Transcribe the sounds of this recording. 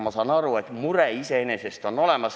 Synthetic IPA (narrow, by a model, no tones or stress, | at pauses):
mːosɑnɑruet̪mureiseenesest̪onolemɑs